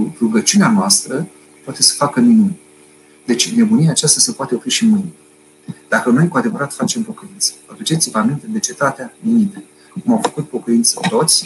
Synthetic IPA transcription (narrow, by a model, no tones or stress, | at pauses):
ruɡət͡ʃuneanoast̪ɾə | pwat̪e̞sə̥fakəminun | d̪e̞t͡ʃʲne̞buniaːt͡ʃast̪asəpoat̪eofɾiʃimɨjn | d̪̥akəno̞jkuad̪e̞vəɾat̪fat͡ʃe̞mpo̞kəint̪sə̥əfet͡ʃet̪sivamint̪ed̪e̞t͡ʃe̞t̪at̪eaminit̪ə | kumawfə̥kut̪̚po̞kəint̪sət̪o̞t̪sʲ